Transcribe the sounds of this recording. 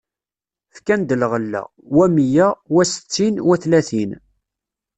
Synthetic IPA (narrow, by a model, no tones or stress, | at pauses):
fkænd̪əlʁəlːæ̰ | wæmjæwæsə̥t͡sːinwæθlæθin